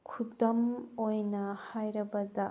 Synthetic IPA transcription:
kʰudɐmojnɐhajɾɐbɐdɐ

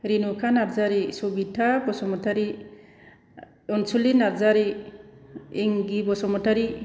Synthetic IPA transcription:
ɾinukʰanaɾzaɾisubitʰabɔsɔmɔtʰaɾi | ɔnsulinaɾzaɾi | iŋɡibɔsɔmɔtʰaɾi

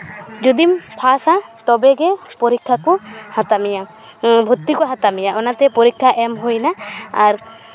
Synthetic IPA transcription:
d͡ʒɔd̪impʰasat̪ɔbɛɡɛpɔɾikʰːakuhat̪amija | bʱut̪ːikuɦat̪amijaɔnat̪ɛpɔɾikʰːaʔɛmɦujnaaɾ

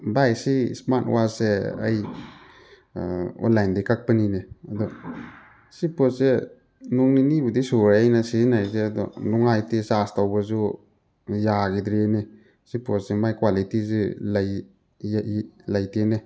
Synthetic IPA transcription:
bajsisman̰waseɐ̰j | o̰nlajndikak̚pənineɐd̪ɔ | sipose | nuŋninibudisuɾaajnasizinajzeɐdɔ̰nuŋajtisastawbɐzu | jaɡidɾene | siposemajkwalitizilaj | lajtene

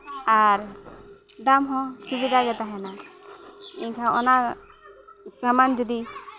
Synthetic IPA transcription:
aɾ | d̪amɦɔ̃subid̪ʱaɡɛt̪aɦɛna | iɲkʰaʔɔna | samand͡ʒɔd̪i

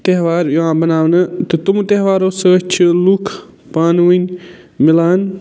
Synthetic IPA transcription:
t̪eɦʋaːɾjuãːbɐnaːʋnɨt̪ɨt̪umt̪eɦʋaːɾoːsɨt͡ʃʰilukʰ | paːnunʲ | mɪlaːn

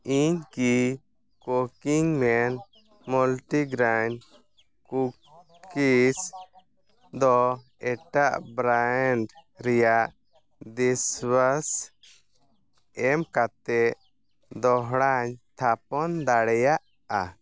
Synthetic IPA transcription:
iɲki | kokiŋmɛn | mulʈiɡɾaɲ | ku | kis | d̪ɔ | ɛʈaʔbɾaɳɖɾɛjaʔ | d̪iswas | ɛmkat̪ɛʔ | d̪ɔɦɽaɲt̪ʰapɔnd̪aɽɛjaʔ | a

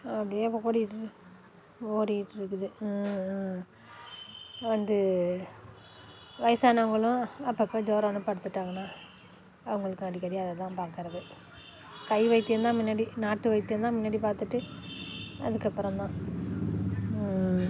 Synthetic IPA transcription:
ɐpːɐɽɪjeːʋoːɾijɪʈːɯ | oːɾijʈːɯɾɯkːɯðɯ | ʋɐnd̪ɯ | ʋɐɪsaːnɐʋɐŋɡɐɭʊ̃ɐpːɐpːoːd͡ʒoːɾaːnɯpɐɽɯt̪ːɯʈːaːŋɡɐnːaː | ɐʋɐŋɡɐɭɯkːɯɐɽikːɐɽiɐðɛt̪ãːpaːɾkɯɾɐðɯ | kɐɪʋɐɪt̪ːɯɐnd̪ãːmɪnːaːɽinaːʈːɯʋɐɪt̪ːɯnd̪ãːmɪnːaːɽipaːɾt̪ɯʈːɯ | ɐ̰ðɯkːɐpːɐɾɐ̃mt̪ãː

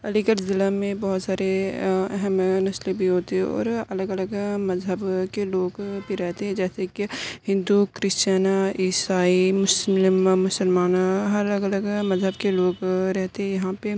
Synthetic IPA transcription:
ɐliɡəɾzɪləmːẽbɔɦʊt̪saːɾeɛɦɛmnɐslibʱiɦoːt̪eɦɛ̃ɔ̰ːɾɐləɡɐləɡmɐzɦəbkeloːɡbʱiɾɛɦt̪eɦɛ̃d͡ʒɛːsekihɪ̃nd̪ukɾɪst͡ʃaːnaiːsaːimʊslmmʊsəlmaːnɐləɡɐləɡmɐzɦəbkeloːɡɾɛɦt̪eɦɛ̃jɐɦãpe

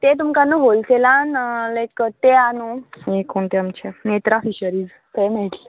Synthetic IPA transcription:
t̪et̪̬umkanuɦolselanlajkət̪eanuekʰoɳt̪eamt͡ɕanet̪ɾafiɕəɾiːz | pemeʈle

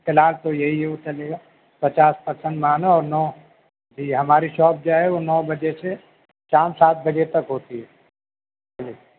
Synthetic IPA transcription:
kɪlaːɾt̪ojɐɦiɦot͡ʃɐleːɡaː | pɐt͡ʃaːspɐɾsə̃nd̪maːnaɔːɾnɔː | d͡ʒiɦɐmaːɾiʃɔːp̚d͡ʒaːɦɛʋonɔːbɐd͡ʒese | t͡ʃãːnsaːt̪̚bɐd͡ʒet̪ɐkɦoːt̪iɦɛ | ɐli

